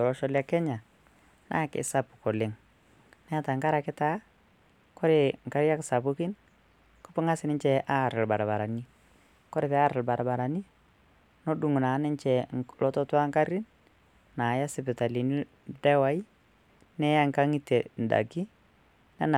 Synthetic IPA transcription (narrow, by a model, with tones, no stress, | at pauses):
tɔ˨ɾɔ˦ʃɔ˦lja˦kɛ˦ɲa˨ | na̰˦kɪ̰˨sa˦pʊ̥˨kɔ˨lɪ˦ŋ | nɛ˦a˦ta˨ŋka˦ɾa˨kɪ˦ta˦ | kɔ˦ɾe˨ŋ˨ka˦ɾja˦ksa˨bu˦ki˦n | kɔ˦pɪ˦ŋa˦sɪ˨nɪ˦ɲt͡ʃɛ˨ʔa˦˨ɾɪ˨lba̰˨ɾa˨ba˨ɾa˨ni˦ | kɔ˦ɾɪ˨pɛ˨a˦ɾɪ˨lba˨ɾa˨ba˨ɾa˨ni˦ | no˦du˨ŋ˨na˨˦nɪ˦nt͡ʃɛ˨lɔ˦tɔ˦twa˦ŋka˦ɾi˦n | naː˨ja˦sɪ˨pɪ˨ta˨li˨ni˦ | dɛ˦wa˦i˦ | nɛ˦ja˦ŋka˦ŋi˦te˨n̩˨da̰˨ɡi˦ | nɛ̰˦na˨